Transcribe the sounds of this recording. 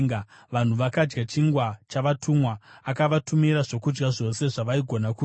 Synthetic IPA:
ŋɡaʋan̤uʋakad͡ʒɡat͡ʃiŋɡwat͡ʃaʋatʰumwaːkaʋatumiɾaʐo̞kud͡ʒɡaʐo̞se̞ʐaʋaiɡʱo̞naku

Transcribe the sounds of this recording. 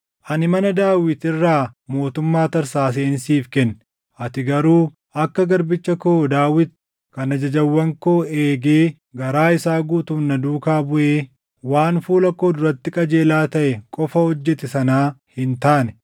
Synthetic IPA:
ʔɐnɪmɐnɐd̪aːwɪt̪ɪrːaːmo̞ːt̪ʊmːaːt̪ɐɾsaːs̬eːnsiːfkɛnːɛ | ʔɐt̪ɪɡɐɾuː | ʔɐkːɐɡɐɾbɪt͡ʃːɐkoːd̪aːwɪt̪̚ | kɐnɐd͡ʒɐd͡ʒɐwːɐŋko̞ːe̞ːɡeː | ɡɐɾaːɪsaːɡuːt̪uːnːɐd̪uːkaːbʊʔeː | waːnfuːlɐkːoːd̪ʊɾɐt̪ːɪkʼɐd͡ʒe̞ːlaːt̪ɐʔɛkʼɔfɐhɔd͡ʒːɛt̪ɛsɐnaːhɪnt̪aːnɛ̥

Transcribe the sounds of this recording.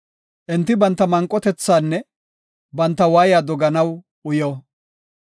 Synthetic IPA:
ʔɪnt̪ːɪbɐnt̪ːɐmɐŋkʼːɔt̪ɛt͡sːaːnːɛ | bɐnt̪ːɐwaːjaːd̪ɔɡɐnɐw | ʊjɔː

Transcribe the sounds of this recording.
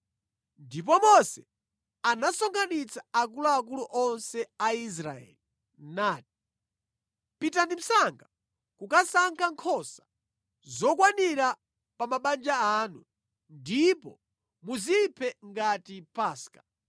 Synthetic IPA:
ndip̬ɔmɔsɛ | anasɔŋɡanit͡sʰaːk̬uluaːk̬uluʔɔnsɛais̬ɾaɛ̰li | naːti̥ | pitandim̩saŋɡa | kukasaŋkʰaŋkʰɔsḁ | zɔk̬waniɾa | pamaɓand͡ʒaanu | ndipɔ | muzipʰɛŋɡatipaːskḁ

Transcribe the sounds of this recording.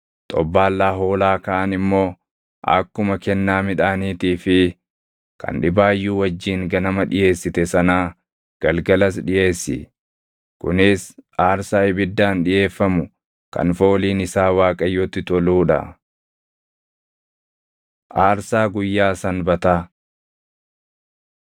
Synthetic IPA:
t̪ʼɔ̰bːaːlːaːɦo̞ːlaːkɐːʔɐnɪmːo̞ː | ʔɐ̰kːʊmɐkɛnːaːmɪᶑaːniːt̪iːfɪ | kɐ̰nᶑɪbaːjːuːwɐd͡ʒːiːŋɡɐnɐmɐᶑɪje̞ːsːɪt̪ɛsɐnaː | ɡ̥ɐlɡɐlɐs̬ᶑɪje̞ːsːɪ̰ | kʊnɪsaːɾsaːɪbɪd̪ːaːnᶑɪje̞ːfːɐmʊ | kɐ̰nfo̞ːliːnɪsaːwaːkʼɐjːɔt̪ːɪt̪ɔluːᶑɐ̰ | ʔaːɾsaːɡʊjːaːsɐnbɐt̪aː

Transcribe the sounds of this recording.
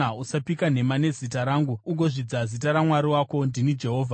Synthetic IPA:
ausapikane̞mane̞zitaɾaːŋɡuuɡo̞ʐid͡zazitaɾamwaɾiwako̞ndinid͡ʒe̞ɦo̞ːvʱa

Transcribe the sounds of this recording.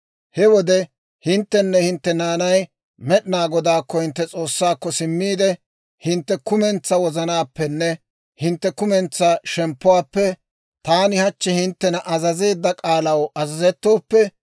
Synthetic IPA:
hɛwɔd̪ɛ | hɪnt̪ːɛnːɛhɪnt̪ːɛnaːnɐj | mɛɗɪnaːɡɔd̪aːkːɔhɪnt̪ːɛt͡sʼo̞ːsːaːkːɔsɪmːiːd̪ɛ | hɪnt̪ːɛkʊmɛnt͡sːɐwɔzɐnaːpːɛnːɛ | hɪnt̪ːɛkʊmɛnt͡sːɐʃɛmpːʊwaːpːɛ | t̪aːnɪhɐt͡ʃːɛhɪnt̪ːɛnɐʔɐzɐze̞ːd̪ːɐkʼaːlɐwɐzɐzɛt̪ːo̞ːpːɛ

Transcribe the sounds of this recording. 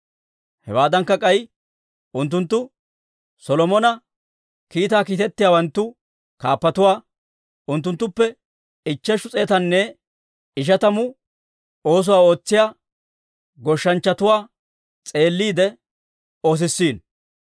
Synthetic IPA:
hɛ̰waːd̪ɐŋkːɐkʼɐj | ʊnt̪̬ːʊnt̪ːʊ | sɔlɔmɔnɐ | kiːt̪aːkiːt̪ɛt̪ːɪjaːwɐnt̪ːʊ | kaːpːɐt̪ʊwaː | ʊnt̪̬ːʊnt̪ːʊpːɛ | ɪt͡ʃːɛʃʊt͡sʼe̞ːt̪ɐnːɛ | ɪʃ̬ɐt̪ɐmʊ | o̞ːs̬ʊwaːo̞ːt͡sːɪjaː | ɡɔʃːɐnt͡ʃːɐt̪ʊwaː | t͡sʼe̞ːlːiːd̪ɛ | o̞ːs̬ɪsːiːn

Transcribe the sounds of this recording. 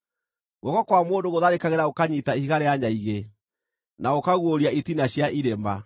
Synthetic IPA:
ɣɔɣɔkwamoːndoɣoðaɾekaɣeɾaokaɲitaihiɣaɾeaɲaiɣe | naokaɣwoɾiaitinaɕjaʔiɾemba

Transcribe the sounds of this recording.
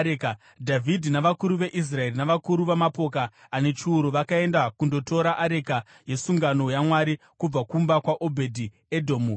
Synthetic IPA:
ka | dʱavʱidʱinaʋakuɾuʋe̞ʔis̬rae̞rinaʋakuɾuʋamapo̞kaː | ne̞t͡ʃiuɾuʋakae̞ndakundo̞to̞ɾaʔaɾe̞ka | je̞suŋɡano̞jamwaɾi | kub͡vakumbakwaʔo̞bʱe̞dʱi | edʱo̞ːmu

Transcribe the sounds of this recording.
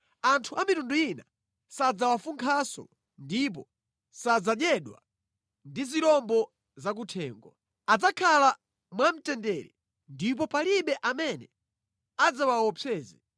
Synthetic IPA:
antʰuamitunduina | sad͡zawafuŋkʰasɔ̰ | ndip̬ɔ | sad͡zaɗjɛɗwa̰ | ndiziɾɔmbɔ | zak̬utʰɛːŋɡɔ | ad͡zakʰala | mwam̩tɛndɛɾɛ̰ | ndip̬ɔpaliɓɛʔamɛnɛ | ad͡zawawɔpʰɛːzɛ

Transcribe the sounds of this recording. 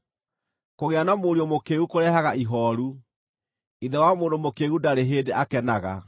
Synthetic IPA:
koɣeanamoɾiɔmokeːɣukoɾɛɦaɣaiɦɔɾu | iðɛwamoːndomokeːɣudaɾeɦeːdeʔakɛnaɣa

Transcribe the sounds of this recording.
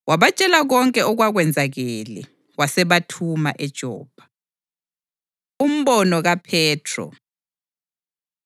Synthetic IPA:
wʔaβat͡ʃʼɛlaɣɔŋkʼɛʔɔɣwaɣwɛnd͡zʱaɣɛlɛ | wasɛβatʰuma̰ʔɛd̥ʒ̥ʱɔ̰ːb̥ʱḁ | um̩βɔnɔɣapʰɛːtʰrɔ̰

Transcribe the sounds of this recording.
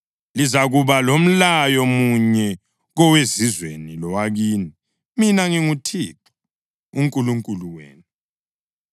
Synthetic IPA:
lizaɣuβalom̩lajomuɲɛ | ɣɔwezizwenilɔwaɣiːni | minaŋiŋutʰiːǁʰu̥ | uŋkʼuluŋkʼuluwḛːnu

